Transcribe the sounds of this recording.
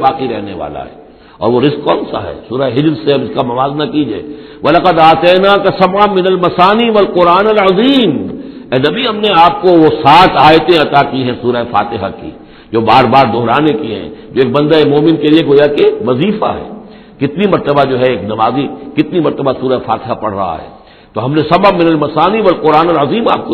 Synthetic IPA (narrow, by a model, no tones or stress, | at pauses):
baːqiɾɛɦneʋa̰ːla̰ɦɛ̰ː | ɔ̰ːɾʋoɾɪzkːɔːnsa̰ɦɛ̰ːsuːɾaeɦɪd͡ʒɾseɐbɪskamɐʋaːznɐkid͡ʒḛː | ʋɐlɐqəd̪aːt̪eːnakasɐbʕəmɪnɐlmɐsaːniʋɐlqʊɾaːnɐlʕɐziːm | ɛːnɐbʱiɦɐmneaːp̚koʋosaːt̪ʰaːjt̪ẽɐt̪akiɦɛ̃suːɾaefa̰ːt̪ɪɦa̰kḭ | d͡ʒoːbaːɾbaːɾd̪oɦɾaːnẽkiɦɛ̰̃d͡ʒoːeːk̚bɐ̃nd̪aemoːmɪnkelieɡoːjakeʋɐziːfa̰ɦɛ̰ː | kɪt̪nimɐɾt̪əbad͡ʒoːɦɛeːknɐʋaːzikɪt̪nimɐɾt̪əbasuːɾaefa̰ːt̪ɪɦapɐ̰ɽ̤ɾɐ̰ɦa̰ɦɛ̰ː | t̪oɦɐmnesɐbamɪnɐlmɐsaːniʋɐlqʊɾaːnɐlɐziːma̰ːp̚ko